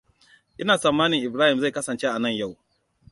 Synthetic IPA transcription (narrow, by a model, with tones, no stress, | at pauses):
ʔɪ˦naː˨sɐ˨mːaː˦nɪ˨ŋʔɪ˨bɾaː˦hɪ˨mza˦˨jkɐ˦sɐ˨nt͡ʃe˦ʔa˨nɐ˦˨ɲja˦˨w